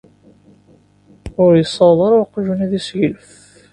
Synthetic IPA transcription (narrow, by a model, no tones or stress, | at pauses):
ʊɾjəsˤːɑðˤəɾˤʊqːʒunæðisʝəlf